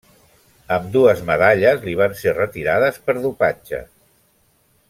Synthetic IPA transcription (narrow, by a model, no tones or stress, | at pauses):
əmd̪uəzməðaʎəzliβ̞anserət̪iɾaðəspəɾðupad͡ʒə̰